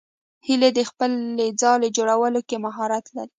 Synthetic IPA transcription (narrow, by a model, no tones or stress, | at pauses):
hiled̪əxpəled͡zɑled͡ʒoɽawəlokemaɦɑɾat̪laɾi